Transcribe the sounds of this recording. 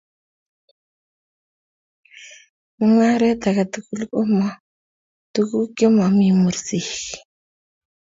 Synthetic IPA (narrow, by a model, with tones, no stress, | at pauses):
mu˦ŋa˦ɾe˦t̪a˨ka˨tu˦ku˦lko˦ma˦˨ | tu˦ku˦ke˦ma˨mi˨mu˨ɾsi˨x